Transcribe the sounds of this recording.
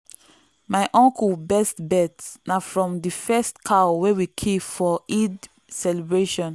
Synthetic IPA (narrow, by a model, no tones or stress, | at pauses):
majʔɔ̃ŋkubɛstbɛtsnafɹɔ̃mdifɛstkʰawɛwikʰefɔid | sɛlibɹeʃɔ̃n